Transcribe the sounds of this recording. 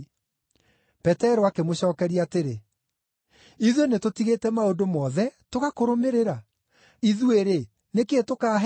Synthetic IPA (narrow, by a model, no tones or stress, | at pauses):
pɛtɛɾɔakemoɕɔːkɛɾiateɾe | iðwenetotiɣetɛmaodomɔðɛtoɣakoɾomeɾeɾa | iðweɾe | neketokaɦ